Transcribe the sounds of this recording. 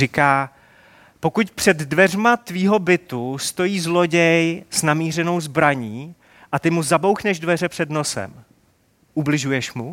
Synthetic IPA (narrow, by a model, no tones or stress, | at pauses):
ɪkaː | po̞kucpr̝̥ɛd̪dvɛrmat̪viːɦo̞bɪt̪ust̪o̞jiːzlo̞ɟɛjsnamiːr̝ɛno̞wzbɾaɲiː | ʔat̪ɪmuzabo̞wxnɛʒdvɛr̝ɛpr̥ɛdno̞sɛ̰m | ʔublɪʒujɛʃmu